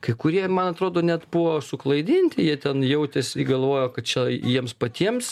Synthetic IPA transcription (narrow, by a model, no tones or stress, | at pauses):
kɐɪkʊɾʲiɛmɐnɐt̪ɾoːd̪oːnʲɛt̪bʊʋoːsʊklˠɐɪd̪ʲinʲt̪ʲɪjiɛt̪ʲɛnjɛʊt̪ʲɛsʲiɡɐlˠʋoːjoːkɐt̪̚t͡ʃʲɛjiɛmspɐt̪ʲiɛms